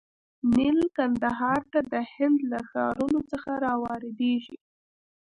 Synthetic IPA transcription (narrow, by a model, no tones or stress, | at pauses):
nɪlkand̪aɦɑɾt̪ad̪əhɪnd̪laxɑ̰ɾunot͡səxaɾɑwɑɾed̪eʒḭ